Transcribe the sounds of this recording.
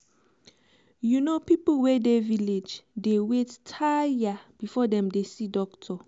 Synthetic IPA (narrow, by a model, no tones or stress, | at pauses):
junopipuwedeviled͡ʒdewettʰajab̥ifɔdɛ̃mdesidɔktʰɔ